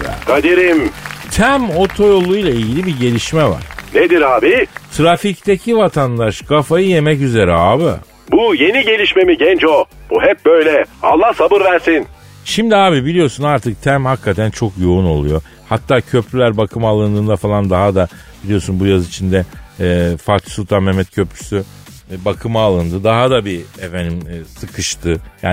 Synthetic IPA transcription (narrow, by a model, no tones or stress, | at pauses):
kʰad̪eɾimt̪ʰæmo̞t̪ʰo̞jo̞lˠujlˠailɟilʲibiɟe̞lʲiʃmɛva̰ɾ̥ned̪iɾaːbit̪ʰɾafict̪ʰecʰivat̪ʰand̪aʃɡafajɯje̞mɛcyze̞ɾɛaːbɪ̰ | buje̞niɟe̞lʲiʃme̞miɟɛnt͡ʃob̥uɦɛp̚bøjlʲɛa̰lˠːahsabɯɾvæɾsin | ʃimd̪iaːbibilʲijo̞ɾsunaɾt̪ʰɯk̚t̪ʰæmhakʰːat̪ʰænt͡ʃʰo̞kjo̞uno̞lˠujo̞ | hat̪ʰːaːcʰø̞pʰɾylʲæɾbakʰɯmalˠɯnd̪ɯːnd̪afalˠand̪aɦad̪a | bilʲijo̞ɾsunbujazit͡ʃʰind̪ɛː | faɾt̪ʰi̥sulˠt̪ʰanmɛmːɛt̪̚cʰø̞pɾy̥sy | bakʰɯmaːlˠɯnd̪ɯd̪aɦad̪abiefenimsɯkʰɯʃt̪ʰɯjaː